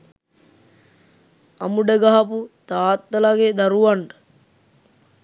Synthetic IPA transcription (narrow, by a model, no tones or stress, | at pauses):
ɐ̰muɖəɡaɦɐput̪aːt̪ːɐlaɡed̪aɾuʋaɳɖə